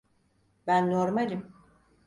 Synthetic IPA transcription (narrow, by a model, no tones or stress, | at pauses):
bænːoɾmalʲim